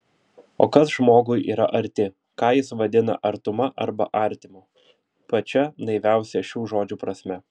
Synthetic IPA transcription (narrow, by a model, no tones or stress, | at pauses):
o̰ːkɐsʒmoːɡʊjʔḭːɾɐʔɐɾʲt̪ʲɪ | kɑːjɪsʋɐd̪ʲɪnɐ̰ʔɐɾt̪ʊmɐʔɐɾbɐ̰ʔɐˑɾʲt̪ʲɪmuː | pɐt͡ʃʲɛnɐɪʋʲæˑʊsʲɛʃʲuːʒoːd͡ʒʲuːpɾɐsʲmʲɛ